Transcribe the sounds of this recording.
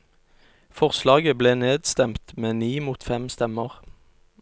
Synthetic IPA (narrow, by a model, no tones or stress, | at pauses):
fɔʁslɑːɡəbleːneːd̪st̪ɛmt̪meːniːmuːt̪fɛmst̪ɛməʁ